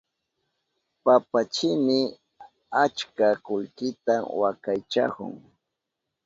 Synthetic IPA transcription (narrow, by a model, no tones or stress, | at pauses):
papat͡ʃɪmɪ | at͡ʃkakʊlkɪt̪awakajt͡ʃa̰kʊ̰ŋ